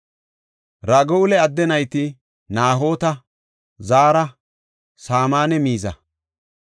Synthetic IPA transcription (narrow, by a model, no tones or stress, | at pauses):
ɾɐɡɔʊlɛɐd̪ːɛnɐjt̪ɪ | naːɦo̞ːt̪ɐ | zaːɾɐ | saːmaːnɛmiːzɐ̰